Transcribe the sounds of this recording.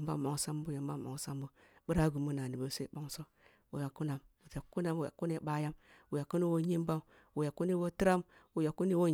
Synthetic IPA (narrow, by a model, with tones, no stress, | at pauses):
mba˦m˨o˨ŋsa˦mbu˦ja˨mba˦mː˨o̰˨ŋ˨sa˦mbu˦ | bu˦ɾa˦ɡu˨mu˦na˨ni˨bo˨˦se˦bo˦ŋso˦ | wṵ˨ja˨kːu˦na˨mwu˨ta˨ku˦na˦mwu˨ja̰˨ku˦ne˦ɓa˦ja˦mwu˨ja˨ku˦ni˦wo˦ɲi˦m˦ba˦m | wu˨ja˨kːu˦ni˦wo˦ti˦ɾa˦mwu˨ja˨ku˦ni˦wo˦